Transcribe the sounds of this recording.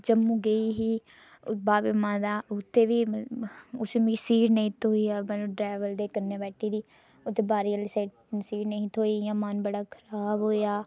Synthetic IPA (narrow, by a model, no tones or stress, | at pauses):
d͡ʒəmːũːɡəiːɦiː | baːbemãːd̪aːʊt̪ʰːeːʋiː | ʊsmisiːɾnəĩːt̪ʰoːiːaːməlũɖɾɛːʋəld̪eːkəɾneːbɛːʈʰːiːd̪iː | ʊt̪ʰːeːbaːɾiːəlseːʈ | siːʈnəĩːt̪ʰoːijãːmanbəɽaːkʰəɾaːbɦoːjaː